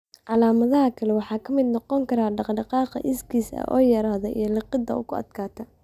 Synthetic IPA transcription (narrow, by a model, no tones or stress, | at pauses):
ʕɑlaːmɐðɐɦɐkʰɐlɛwɑħɑːkʰɐmɪd̪nɔqɔŋkʰɐɾaːɖɑqɖɑqɑːqɐ̰ʔɪskʰiːsɐ̰ʔɔ̰ːjɐɾaːðɔʔḭjɞlɑqɪd̪ɐ̰ʊkʊɐ̰d̪kʰaːt̪ʰɐ